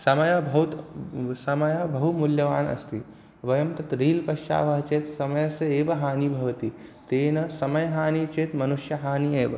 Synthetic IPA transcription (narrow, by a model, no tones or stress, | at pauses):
sɐmɐjɐbʱɐɦut̪sɐmɐjɐbɐɦumuljɐʋaːnɐ̰st̪ʰi | ʋɐjɐmt̪ɐt̪ɾiːlpɐʃt͡ʃa̰ːʋɐɦɐt͡ʃeːt̪sɐmɐjɐsɐeːʋɐɦaːnibʱɐʋɐt̪it̪eːnɐsɐmɐjɐɦaːnit͡ʃeːt̪mɐnuʃjɐɦaːnieːʋɐ̰